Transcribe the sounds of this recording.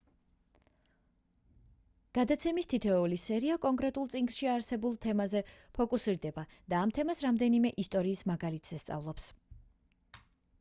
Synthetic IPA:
ɡ̥ad̪at̪sʰɛmist̪ʰit̪ʰɛulisɛɾiakʼɔŋkʼɾɛt̪ʼulˠt̪sʼiŋɡsʃiaɾsɛbulˠt̪ʰɛmazɛpʰɔkʼusiɾd̪ɛba | d̪̥aːmt̪ʰɛmasɾamd̪ɛnimɛʔist̪ʼɔɾiːsmaɡalit̪ʰz̥ɛst̪sʼa̰vlˠɔps

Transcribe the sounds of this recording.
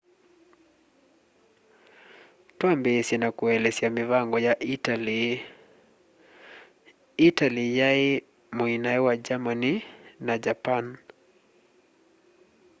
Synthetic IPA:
twambɛɛsinakuɛlɛsɛamivaŋɡɔja | italijai | muinaɛwad͡ʒamaninad͡ʒapan

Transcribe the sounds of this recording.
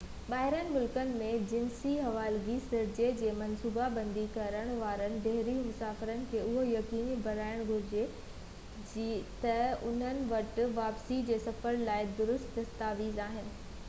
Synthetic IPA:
ɓaːɦɪɾənmʊlkənɪ̆mẽd͡ʑɪnsiɦɐʋaːlɡisɪɾd͡ʑed͡ʑeːmɐnsuːbabɐ̃nd̪ikɐɾəɽ̃ʋaːɾənɪ̆ɖɛɦɾimʊsaːfɪɾənɪ̆kʰeːʊɦojɐkiːnibʱɐɾaːɪɽ̃ɡʱʊɾɪd͡ʑe | d͡ʑt̪ɐʊn̤ənɪ̆ʋɐʈ̆ʋaːpsid͡ʑeːsɐfəɾlaːɪd̪ʊɾʊst̪d̪ɐst̪aːʋiːzaːɦɪnɪ̆

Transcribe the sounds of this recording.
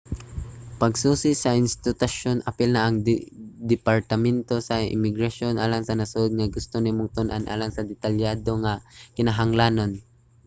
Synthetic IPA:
pɐɡsuːsɪsɐʔɪnst̪ɪt̪ʊʃonʔɐpɪlnɐʔɐŋd̪ɛpaɾt̪ɐmɛnt̪o̞sɐɪ̰mɪɡɾaʃo̞nʔaːlaŋsɐnɐsʊʔod̪̚ŋɐɡʊst̪onɪmʊŋt̪ʊnʔanʔa̰ːlaŋsɐd̪ɛt̪aljaːd̪o̞ŋakɪnaɦaŋlaːnon

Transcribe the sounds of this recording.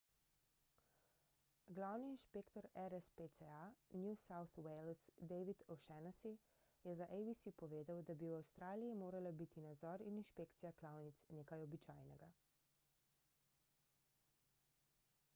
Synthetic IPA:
ɡlawniːnʃpeːkt̪ɔɾɛɾɛspet̪sɛanjusawθwejlsd̪ɛʋit̪ɔʃɛnasi | jɛzaʔejbisipɔʋeːd̪awd̪abiwawst̪ɾaːlijimoːɾalabit̪ʰinad̪zɔɾininʃpeːkt̪sijaklaːwnit̪sneːkajɔbit͡ʃaːjnɛɡa

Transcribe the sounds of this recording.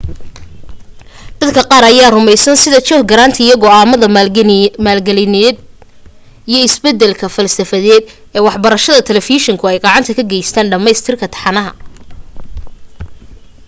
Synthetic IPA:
d̪̥ɐd̪kʰɐqɑːɾɐjaːrʊmɛjsɐnsɪðɐt͡ʃɔːhɡɐɾaːnt̪ʰɐɪjɐɣɔaːmɐðɐ | maːlɡɛlɪnɛd̪ | ijɞɪsbɛd̪ɛlkʰɐfɐlsɐfɐðɛːd̪ | ɛːwɑħbɐɾɐʃɐðɐt̪ʰɛlɛfiʃɪŋkʰʊɛjɡɑʕɑnt̪ʰɐkʰɐɡɛjst̪ʰaːnɖɐmɛjst̪ʰɪrkʰɐt̪ʰɑ̥ħɑnɐɦɐ̰

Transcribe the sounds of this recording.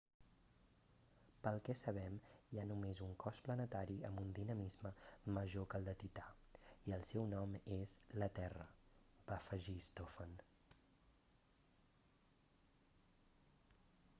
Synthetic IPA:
pəlˠkɛsəβ̞ɛmjanumezuŋkɔsplənət̪aɾiəmbund̪inəmizməməʒokəlˠd̪ət̪it̪aiəlˠsɛwnɔmezlət̪ɛrəbafəʒist̪ofən

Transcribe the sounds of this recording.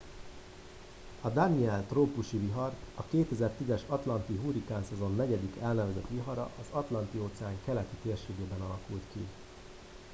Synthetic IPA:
ɒd̪aniɛlt̪roːpuʃiviɦɒrt̪ɒkeːt̪ɛzɛrt̪izɛʃɒt̪lɒnt̪iɦuɾikaːnsɛzo̞nːɛɟɛd̪ikɛlnɛvɛzɛt̪ʋiɦɒɾɒ̰ʔɒzɒt̪lɒnt̪ioːt̪sɛaːŋkɛlɛt̪it̪eːrʃeːɡeːbɛnɒlɒkult̪ki

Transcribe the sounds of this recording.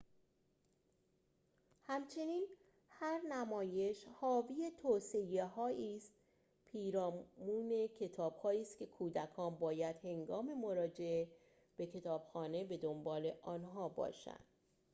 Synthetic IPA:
hæmt͡ʃʰe̞niːn | hæɾnæmɒːje̞ʃhɒːvijet̪ʰoːse̞jeɦɒːiːst̪ | pʰiːɾɒːmmuːne̞cʰe̞t̪ʰɒːb̥hɒːiːst̪kʲʰe̞kʰuːd̪ækʰɒːnbɒːjæd̪̥he̞ŋɡɒːme̞mo̞ɾɒːd͡ʒe̞e | b̥e̞cʰe̞t̪ʰɒːb̥xɒːne̞be̞d̪o̞mbɒːle̞ʔɒːnɦɒːbɒ̰ːʃæ̰nd̪̥

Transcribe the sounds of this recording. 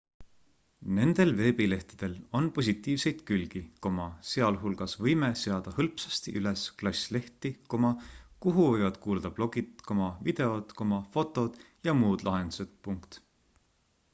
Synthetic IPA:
ne̞nd̪̥e̞lve̞ːbile̞ht̪i̥d̪̥e̞lo̞npo̞s̬ʲit̪ˑːiːvse̞jd̪̥kylɡ̥iko̞mɑse̞ɑlɦulɡ̥ɑsvɤjmese̞ɑd̪̥ɑhɤlpsɑ̥st̪iʔylesklɑsʲle̞ht̪ikomɑkuɦuvɤjvɑd̪̥kuːld̪̥ɑb̥lo̞ɡ̥it̪ko̞mɑvid̪̥e̞o̞d̪̥komɑfo̞t̪ːˑo̞d̪̥ | jɑmuːd̪̥lʔɑɦe̞nd̪̥u̥sed̪̥puŋkt̪

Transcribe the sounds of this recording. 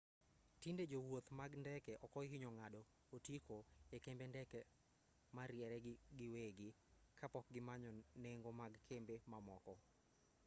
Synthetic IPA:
tinded͡ʒowot̪maɡndɛkɛʔɔkɔɪɲɔŋadɔ | otikoekembendɛkɛ | maɾjɛɾɛɡɪweɡɪ | kʰapɔk̚ɡɪmaɲɔneŋɡomaɡkʰembemamɔkɔ

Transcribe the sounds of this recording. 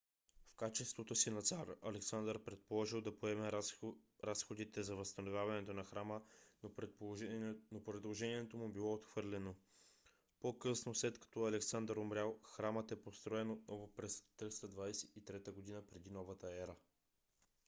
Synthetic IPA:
fkat͡ʃɛst̪vot̪osinɐt̪saɾɐlɛksand̪əɾpɾɛt̪̚polˠɔʒilˠd̪ɐpoɛmɛ | ɾasxod̪it̪ɛzɐvəst̪ɐnovʲjavɐnɛt̪onɐxɾamə | nopɾɛd̪lˠoʒɛniɛt̪omubilˠɔot̪xv̥ɤɾlɛno | pokɤsnoslɛt̪kɐ̥t̪ɔɐlɛksand̪əɾomɾʲjalˠxɾamət̪ɛpost̪ɾɔɛnot̪̚nɔvopɾɛst̪ɾist̪əd̪vajsɛit̪ɾɛt̪əɡod̪inəpɾɛd̪inɔvət̪əɛɾə

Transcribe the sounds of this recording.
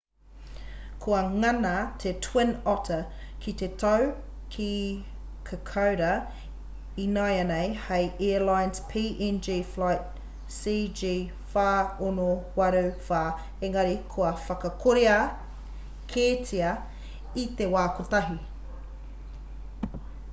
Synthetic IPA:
kʰoɐŋɐnɐt̪ʰetʰwenɔtʰɐ | kʰit̪etʰɐw | kʰi | kʰəkʰɐwɾɐ | inajɐnejhɐjʔeːlajnspʰiːʔɛnd͡ʒiflajt̚ | siːd͡ʒiː | faːonowɐɾufaː | eŋɐɾikʰoɐfɐkɐkʰoɾeɐ | kʰeːtiɐ | it̪ewaːkot̪ɐɦi

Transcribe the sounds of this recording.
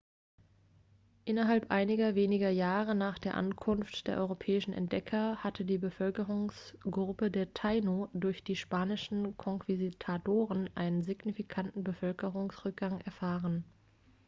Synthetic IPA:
ʔɪnɐɦalpʔa̰ɪnɪɡɐveːnɪɡɐjaːʁənaːχd̥eːɐʔa̰nkʰʊnftd̥eːɐʔɔ̰ʁopʰɛːɪʃn̩ʔɛ̰nt̚d̥ɛkʰɐhatʰədiːbəfœlkəʁʊŋsɡ̥ʁʊpədeːɐtʰaɪnodʊɐçd̥iːʃpaːnɪʃn̩kʰɔŋkv̥iztʰatoːʁənʔa̰ɪnənziɡnifikʰantn̩bəfœlkəʁʊŋsʁ̥ʏk̚ɡ̥aŋɛɐfaːʁən

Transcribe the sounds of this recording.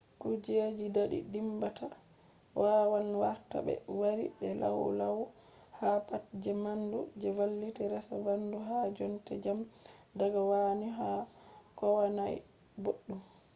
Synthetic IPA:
kud͡ʒed͡ʒidaɗḭdimbatʰa | wʔaːwanwaɾta̰bɛ̰waɾḭbɛla̰wṵlawu | hapatd͡ʒɛmandud͡ʒɛvalːitɛɾɛsabanduɦad͡ʒɔntɛd͡ʒamdaɡawaniɦakɔwanaj | boɗːum

